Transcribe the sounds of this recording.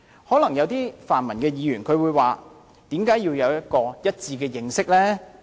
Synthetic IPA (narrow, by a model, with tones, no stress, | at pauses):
hɔː˨˥lɐ˨˩ŋjɐ˨˧wt̪iː˥faː˨˩nmɐ˨˩nkɛː˧jiː˨˧jyː˨˩nkʰɵ˨˧ɥwuː˨˧jwaː˨ | t̪iː˨˥mkaː˨˥jiː˧wjɐ˨˧wjɐ˥t̚kɔː˧jɐ˥t̚t͡siː˧kɛː˧jɪ˧ŋsɪ˥k̚lɛː˥